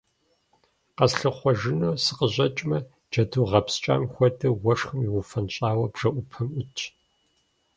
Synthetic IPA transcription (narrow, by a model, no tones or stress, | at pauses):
qɐsɬɨχʷɔʒɪnowsɨqəʑʷʼɐt͡ʃʼmɐ | d͡ʒɐduːʁɐpst͡ʃʼa̰ːmxʷɔdɐwɐʂxɨmiʁʊfɐnɕʼaːwɐbʒ̥ɐʔʷʊpʰɐmʔʊt͡ʃʰʼ